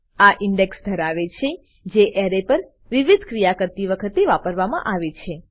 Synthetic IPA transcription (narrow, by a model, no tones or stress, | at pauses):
aʔɪɳɖeksd̪ʱəɾaʋet͡ʃʰe | d͡ʒeʔɛɾepəɾ | ʋiʋid̪ʱkɾijakəɾt̪iʋəkʰət̪eʋapəɾʋamã̰ʔaʋet͡ʃʰe